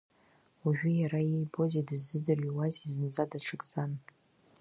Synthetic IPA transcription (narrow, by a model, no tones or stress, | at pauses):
uʒᶣʏjaɾajejbo̞zedɨzːɨdɨrɥiwaziznad͡zʼadaʈ͡ʂʰɨkʼd͡zan